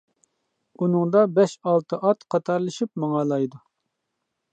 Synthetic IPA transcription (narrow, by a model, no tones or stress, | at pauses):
unɨŋd̪ɑbɛʃɑlˠt̪ʰɨʔɑt̪qʰɑt̪ʰɑɾlˠɨʃip̚mɑŋɑlˠɑjd̪u